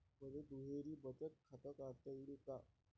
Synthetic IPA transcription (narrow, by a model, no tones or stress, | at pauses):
məd̪ed̪uɦeɾiːbət͡ɕət̪̚kʰat̪əkaɾt̪aiɽika